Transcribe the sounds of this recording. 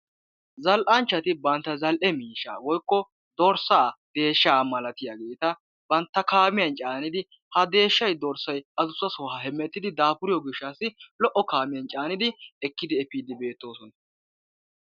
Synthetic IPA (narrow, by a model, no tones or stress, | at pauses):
zɐlʔɐnt͡ʃːɐt̪ɪbɐnt̪ːɐzɐlʔɛmiːʃa̰ːwɔjkːɔ | d̪ɔɾsaːd̪e̞ːʃːaːmɐlɐt̪ɪjaɡeːt̪ɐ | bɐnt̪ːɐkaːmɪjɐnt͡ʃʼaːnɪd̪ɪ | hɐd̪e̞ːʃːɐjd̪ɔɾsɐjʔɐzʊsːɐsɔhɐhɛmːɛt̪ːɪd̪ɪd̪aːpʊɾɪjɔɡɪʃːaːsɪlɔʔɔkaːmɪjɐnt͡ʃʼaːnɪd̪ɪɛkːɪd̪ɪɛpiːd̪ɪbe̞ːt̪ːo̞ːsɔnɐ̥